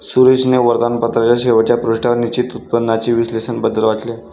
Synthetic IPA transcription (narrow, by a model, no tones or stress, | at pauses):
suɾed͡ʑneʋəɾd̪anpət̪ɾat͡ɕjaɕeʋat͡ɕjapɾoɕʈaɾnit͡ɕit̪ut̪̚pənːat͡ɕiʋislesənbəd̪əlʋat͡sle